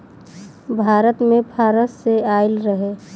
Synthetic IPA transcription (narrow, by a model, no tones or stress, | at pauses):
bʱaːɾət̪mẽpʰaːɾəsseaːɪlɾəɦe